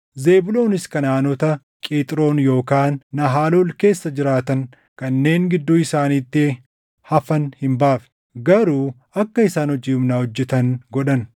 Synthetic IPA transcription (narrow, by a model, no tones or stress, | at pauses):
ze̞ːbʊlo̞ːnɪskɐnaːnɔt̪ɐ | kʼiːt̪ʼɪɾo̞ːnjo̞ːkaːnːɐɦaːloːlke̞ːsːɐd͡ʒɪɾaːt̪ɐŋ | kɐnːe̞ːŋɡɪd̪ːuːɪsaːniːt̪ːɪ | hɐfɐnhɪmbaːfɛ̥ | ɡɐɾuː | ɐkːɐɪsaːnhɔd͡ʒiːʊmnaːhɔd͡ʒːɛt̪ɐnɡɔᶑɐn